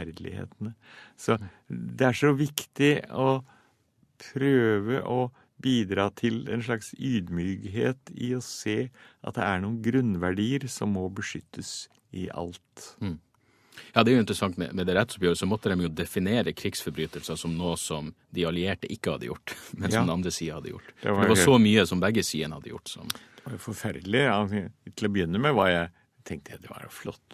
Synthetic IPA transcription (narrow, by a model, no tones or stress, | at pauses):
æɾd̪lɪ̰hḛːt̪ənəsɔ | d̪ɛæʂɔʋɪkt̪ɪɔ | pʰɾøːʋəʔɔ | biːd̪ɾɑːt̪ʰɪlɛ̰nʂɭɑksyːd̪myːkɦeːt̪ɪɔseːʔɑ̰t̪̚d̪ɛæɳuːənɡɾʉnʋæɖiːəɾsɔmːɔbəʂʏt̪ʰːəs | ɪʔɑ̰lt̪ | jɑːd̪ɛæɾjʊɪnt̪əɾəsɑŋt̪mɛ̰mɛd̪ɛɾɛt̪ːsɔpbjøːɾəsɔmɔt̪ːəd̪ɛmjʊd̪ɛfɪneːɾəkʰɾɪɡsfɔɾbɾyːt̪əlsəsɔmnoːsɔm | d̪ɪɑlɪeːʈəʔɪkːəhɑd̪ːə̰jʊ̰ʈːmɛnsɔd̪ɛɑnd̪ɾəsiːɑhɑd̪ːə̰jʊ̰ʈːfɔɖɛɛʋɑsɔmyːəsɔmbɛɡːəsiːənhɑ̰d̪ːəjʊ̰ʈːsɔ̰md̪̥ɛʋɑɾʊfɔɾfæɾd̪lɪɑt̪ʰɪlɔbəjʏnːəmæʋɑɾjæɪ | t̪ʰɛŋk̚t̪əjæd̪ɛʋɑ̰ɾflɔ̰t̪ː